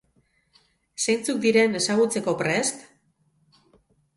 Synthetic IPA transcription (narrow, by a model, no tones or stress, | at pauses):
sejnt͡suk̚d̪iɾe̞ne̞saɣ̞ut͡se̞ko̞pɾe̞st̪